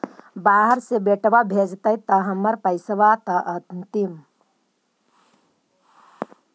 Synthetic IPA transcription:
baːɦəɾsebeʈʋabʱed͡ʒt̪ɐjt̪ɐɦɐmɐɾpɐjsɐʋat̪ɐʔɐnt̪im

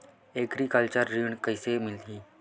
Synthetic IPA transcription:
ekɾikəlt͡ʃəɾːiɳ̃kəisemɪld̪iː

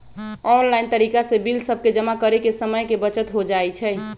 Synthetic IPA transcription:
ɔnlaɪnt̪əɾikasebilsəb̚ʱked͡ʒəmakəɾekesəməjkebət͡ʃət̪ɦod͡ʒaɛt͡ʃʰɛ

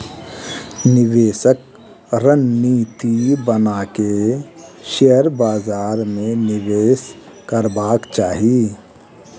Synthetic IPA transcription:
nɪʋeːʃək̚ | ɾənːiːt̪ibənake | ʃeəɾbaːzaːɾmẽnɪʋeːs | kəɾbaːkt͡ʃaːɦi

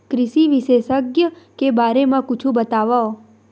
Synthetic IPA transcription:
kɾɪʃiʋiʃesəɡjəkebaɾemãkut͡ʃʰũbət̪aʋao

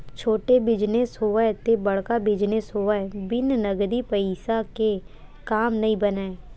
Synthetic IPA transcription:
t͡ʃʰoːʈebɪd͡ʒnesoːet̪ebəɽkabɪd͡ʒnesoːəbɪnnəɡd̪iːpəɪsake | kaːmnəĩbəneː

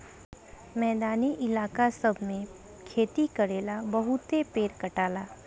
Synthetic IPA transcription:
mɛːd̪aːniʔɪlaːkasɐbʱmẽ | kʰeːt̪ikɐɾeːlabɐɦʊt̪epeːɾkɐʈaːlaː

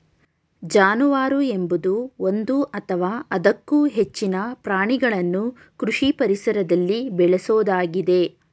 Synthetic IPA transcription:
d͡ʒaːnuʋaːɾue̞mbud̪uo̞nd̪uʔɐt̪ʰɐʋaːɐd̪ɐkːuːɦet͡ʃːinɐpɾaːɳiɡɐɭɐnːu | kɾuʂipɐɾisɐɾɐd̪ɐlːibɛɭɛsoːd̪aːɡid̪e̞

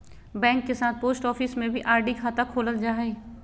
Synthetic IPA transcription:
bɛ̃ːŋkːesaːt̪̚poːsʈɔːfismẽbʱiʔaːɾɖikʰaːt̪akʰoːləld͡ʒaːɦeː

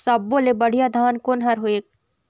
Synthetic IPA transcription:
sɐb̚boːlebɐɽ̤ijad̪ʱaːnkonɦɐɾɦoeː

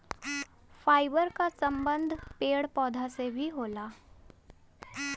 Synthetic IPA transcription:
faːɪbəɾkasə̃mbə̃nd̪ʱpeːɽpɔːd̪ʱasebʱiɦoːlaː

